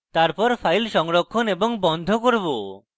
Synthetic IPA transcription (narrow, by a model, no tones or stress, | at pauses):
t̪aɾpɔɾpʰajlʃɔŋɾɔkʰːɔnebɔŋbɔnd̪ʱokoɾbo